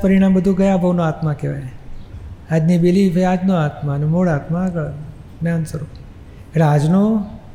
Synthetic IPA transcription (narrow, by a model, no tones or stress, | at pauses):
pəɾɪɽ̃ãmbəd̪ʱũɡəjabʱəʋnõat̪mãkeʋa̰jne | ad͡ʒnibilifead͡ʒnõat̪mãnemoɽaːt̪mãɡə | neansəɾo | eʈead͡ʒnõ